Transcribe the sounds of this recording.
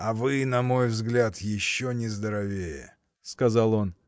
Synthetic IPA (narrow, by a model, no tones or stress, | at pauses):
ɐvɨnɐmo̞jvzɡlʲat̪jɪɕːonʲɪzd̪əɾɐvʲejə̰ | skɐzalˠo̞n